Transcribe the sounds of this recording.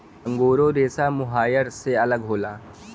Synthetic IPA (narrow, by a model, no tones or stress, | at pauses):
ə̃ŋɡoːɾoɾeːsamʊɦaːjəɾseɐləɡɦoːlaː